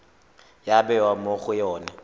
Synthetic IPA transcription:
jabɛwamoχʊjɔːna

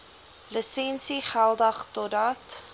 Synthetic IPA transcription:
ləsɛnsiχælˠdəχtɔtɐt

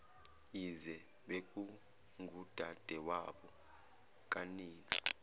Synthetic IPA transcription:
izɛ | ɓekʼu | ŋɡʱud̥ʱad̥ʱɛwaɓɔ | kʼaniːni

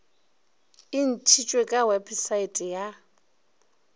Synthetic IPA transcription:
ɪn̩tʰit͡ʃʼwekʼawɛpʰʼisaitʼɛja

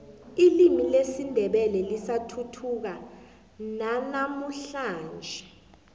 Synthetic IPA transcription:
ilimilesindʱɛɓɛlɛlisatʰutʰuk̬a | nanamuɬaːnd͡ʒʱɛ

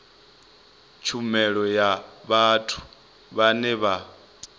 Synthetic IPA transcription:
t͡ʃʰumɛɺɔjaβatʰu̥ | βanɛβa

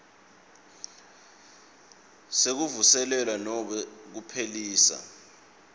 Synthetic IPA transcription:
sek̬uvusɛlɛlwanɔɓɛk̬upʰeliːsa̰

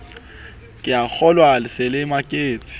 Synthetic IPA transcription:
kʼɪak͡xʰɔlwalɪsɪlɪmakʼeːt͡sʼɪ̥

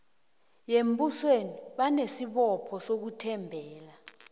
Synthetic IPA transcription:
jembusweniɓanesiɓɔpʰɔsok̬utʰɛmbʱɛːla

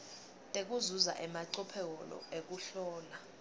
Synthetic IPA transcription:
tʼek̬ʼuzuza̰ʔɛmaǀɔpʰɛk̬ɔlɔ̰ek̬uɬɔːla

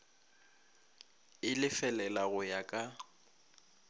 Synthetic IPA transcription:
ɪlɪfɛlɛlaɣʊjakʼa

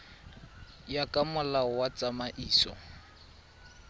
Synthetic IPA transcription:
jakʼamʊlaɔwat͡sʼamaʔiːsɔ̰

